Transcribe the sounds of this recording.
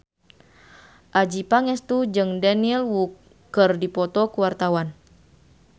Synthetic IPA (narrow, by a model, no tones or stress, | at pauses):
ʔad͡ʒipaŋɛst̪ud͡ʒɨŋdanilwukː | ɨrdipɔt̪ɔkuwart̪awan